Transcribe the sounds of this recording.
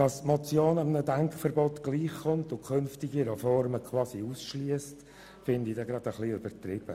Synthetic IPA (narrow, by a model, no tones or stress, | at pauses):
d̥ɑstmɔt͡sjoːnɑmənədæŋkχfəɾbɔt̪ɡ̥liːχχʊnt̪ʊkχønftiɡiɾɛfɔɾməkʰwɑːsiuːsʃliəst | fɪnd̪idɛɡɾɑd̥̪əχliøb̥əɾtɾɪb̥ə